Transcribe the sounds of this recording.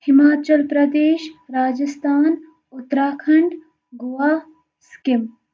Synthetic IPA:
hɪmaːt͡ʃɐlpɾɐd̪eːʃɾaːd͡ʒɐst̪ʰaːn | ʊt̪ːɾaːkʰɐɳɖ | ɡʊʋaː | skɪm

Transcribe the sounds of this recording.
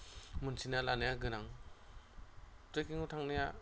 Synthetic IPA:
mɯnsinalanajaɡɯnaŋ | tɾekiŋutʰaŋnaja

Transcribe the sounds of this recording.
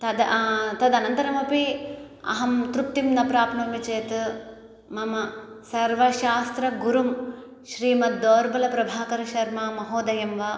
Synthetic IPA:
t̪ɐd̪ɐt̪ɐd̪ɐnɐnt̪ɐɾɐmɐpi | ɐ̰ɦɐmt̪ɾuk̚t̪imnɐpɾaːpnɐmʋit͡ʃeːt̪ | mɐmɐsɐɾʋɐʃaːst̪ɾɐɡuɾum | ʃɾiːmɐd̪oːɾbɐlɐpɾɐbʱaːkɐɾɐʃɐɾmaːmɐɦoːd̪ɐjɐmʋɐ

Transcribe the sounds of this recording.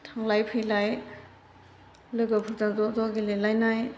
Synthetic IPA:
tʰaŋlajpʰɯjlaj | lɯɡapʰuzaŋzɔdɔɡilelajnaj

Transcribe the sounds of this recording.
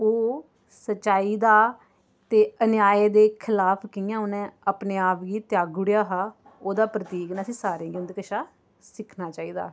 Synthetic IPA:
oː | sət͡ʃːʃaːiːd̪aː | t̪eːənjaːeːd̪eːkʰɪlaːpʰkɪjãːonẽːəpneːaːpɡiːt̪jaːɡʊɽjaːɦaː | oːd̪aːpɾət̪iːknasĩːsaːɾẽːɡɪnd̪kəʃaː | sɪkʰnaːt͡ʃaːiːd̪aː

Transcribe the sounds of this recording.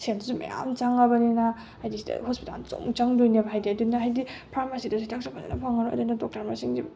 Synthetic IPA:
sendzuma̰ja̰mt͡ʃaŋɐbɐnina | hajdisidɐ̰hospita̰lt͡ʃo̰mt͡ʃaŋdojnebʱajdiadunːaɦajdipʰɾamasidasajtʰaŋsapʰaa̰nɐ̰pʰaŋɐɾoɐ̰dunɐdok̚taɾmasiŋdi

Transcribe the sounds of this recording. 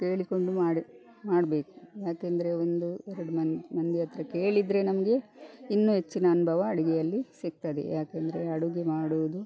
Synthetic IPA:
t̪eːɭiko̞ɳɖumaːɽ | maːɖbe̞ːku̥jaːkend̪ɐɾe̞o̞nd̪uɛɾɐɽumɐnmɐnd̪iɐt̪ɾɐke̞ːɭid̪ɾe̞nɐmɐɡe̞inːuɦe̞t͡ʃːinɐːnubʱɐʋɐːɽiɡɛjɐlːisik̚t̪ad̪ḛjaːkend̪ɐɾe̞ɐɽuɡemaːɽuʋud̪u

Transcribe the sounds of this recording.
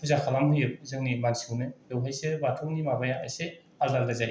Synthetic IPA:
pʰuzakʰalamɦɯjɯp̚zɯŋnimansiwnɯdɯwɦajsebatʰɔknimabajaʔajse | azaɾdazal

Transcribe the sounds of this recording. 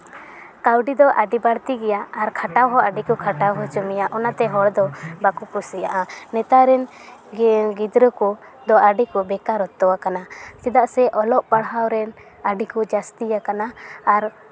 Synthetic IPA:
kawɖid̪ɔʔaɖibaɽt̪iɡɛjaaɾkʰaʈawɦɔʔaɖikɔkʰaʈawɦɔt͡ʃɔmijaʔɔnat̪ɛɦɔɽd̪ɔbakukusija̰ʔanɛt̪aɾɛn | ɡid̪ɾəkɔ | d̪ɔʔaɖikɔbɛkaɾɔt̪ːɔwakanat͡ʃɛd̪aʔsɛʔɔlɔʔpaɽɦawɾɛn | aɖikɔd͡ʒast̪ijakanaːɾ

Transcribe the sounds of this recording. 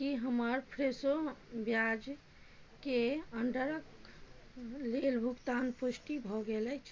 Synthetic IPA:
kiɦəməɾpʰɾesobjad͡ʒ | keəɳɖəɾək | lelbʱukt̪anpusʈibʱɔɡelɛt͡ʃʰ

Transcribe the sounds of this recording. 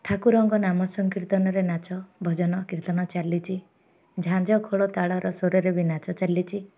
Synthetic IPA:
ʈʰakuɾɔŋɡɔnamɔsɔŋkiɾt̪ɔnɔɾenat͡ʃɔbʱɔd͡ʒɔnɔkɾit̪ɔnɔt͡ʃalːit͡ʃʰi | d͡ʒʱãd͡ʒɔkʰoɭɔt̪aɭɔɾɔsoɾɔɾebinat͡ʃɔt͡ʃalːit͡ʃʰi

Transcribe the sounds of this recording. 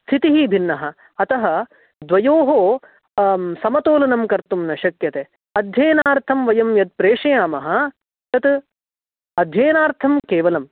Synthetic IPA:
st̪ʰit̪iɦibʱinːɐɦɐ̆ː | t̪ɐɦɐ | d̪ʋɐjoːɦoː | sɐmɐt̪oːlɐnɐmkɐɾt̪umnɐʃɐkjɐt̪eː | ɐd̪ʱjɐːnaːɾt̪ʰɐmʋɐjɐmjɐt̪̚pɾeːʂɐjaːmɐɦɐ̆ | t̪ɐt̪ | ɐd̪ʱjɐːnaːɾt̪ʰɐmkeːʋɐlɐm

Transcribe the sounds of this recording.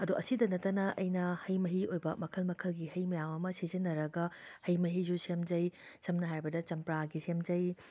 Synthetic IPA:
ɐduʔɐsidɐnɐtːɐnɐʔɐjnɐhɐjmɐɦiojbɐmɐkʰɐlmɐkʰɐlɡihɐjmɐjamɐmɐsizinːɐɾɐɡɐhɐjmɐɦizusemd͡ʒɐjsɐmnɐɦajbɐdɐt͡ʃɐmpɾaɡisemd͡ʒɐj

